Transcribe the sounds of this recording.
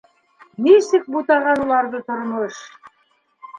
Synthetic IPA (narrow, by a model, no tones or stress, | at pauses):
nisɘk̚but̪ɑʁɑnulˠɑɾðɤt̪ŏɾmoʃ